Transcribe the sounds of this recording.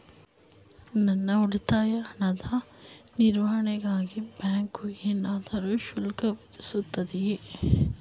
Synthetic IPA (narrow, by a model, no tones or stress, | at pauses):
nɐnːɐuɽit̪aːjɐːnːɐd̪ʱɐniɾʋɐɦɐɳɛɡaːɡibjaːŋkuinaːd̪ɐɾuʃulkɐʋid̪isut̪ːɐd̪ie